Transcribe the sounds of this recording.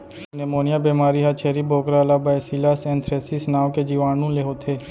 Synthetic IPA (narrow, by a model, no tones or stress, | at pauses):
nemoːnɪjaːbiːmaːɾiːɦaːt͡ʃʰeːɾiːbʱoːkɾaːlaːbaɛsiːlaːsɛ̃ːnt̪ʰɾeːsisnaːʋked͡ʒiːʋaːnũːleːɦoːt̪ʰeː